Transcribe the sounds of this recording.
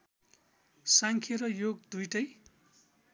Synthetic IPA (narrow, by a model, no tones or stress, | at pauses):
saŋkʰeɾʌjoɡd̪ujʈʌj